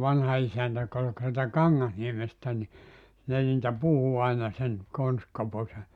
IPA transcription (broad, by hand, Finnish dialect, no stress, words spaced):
ʋɑnhɑ isæntæ jŏk ol k sieltæ kɑŋːɑsniemestæ ni ne niːtæ puhu ɑinɑ sen konstkopose